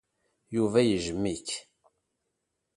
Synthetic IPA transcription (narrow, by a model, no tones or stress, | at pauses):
juvæjəʒəmːiç